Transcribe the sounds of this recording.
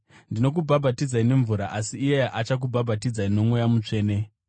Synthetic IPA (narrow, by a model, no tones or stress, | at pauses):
ndino̞k̬ubʱabʱatid͡zaine̞ɱvuɾaʔasiːjeʔat͡ʃak̬ubʱabʱatid͡zaino̞mwejamut͡ʂe̞ːne̞